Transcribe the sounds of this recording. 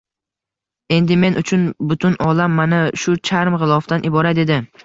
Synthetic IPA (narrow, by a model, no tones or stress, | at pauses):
e̞nd̪ɪme̞nʔʊt͡ʃʰʊnbʊt̪ʰʊnɒlamːanaʃʊt͡ʃʰaɾmʁɨlˠɒft̪anʔɪbɒɾat̪ed̪ɪ